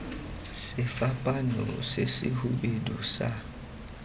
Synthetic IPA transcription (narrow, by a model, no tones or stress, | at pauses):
sɛfapʼanɔ̰sesihuɓedusa